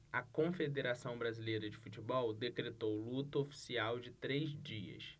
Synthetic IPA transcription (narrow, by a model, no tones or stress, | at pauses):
ɐkõfed̪eɾasɐ̃w̃bɾazilejɾɐd͡ʒɪfut͡ʃibɔwd̪ekɾet̪owlut̪ɐofi̥siawd͡ʒɪt̪ɾezd͡ʒiɐ̰s